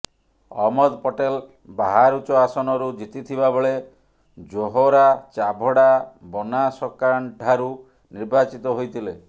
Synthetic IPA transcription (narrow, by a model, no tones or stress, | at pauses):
ɔ̰mɔd̪pɔʈel | baɦaɾut͡ʃɔasɔnɔɾud͡ʒit̪it̪ʰibabɔɭe | d͡ʒoɦoɾat͡ʃabʱɔɽabɔnasɔkaɳɖʱaɾu | niɾbat͡ʃit̪ɔɦojt̪ʰile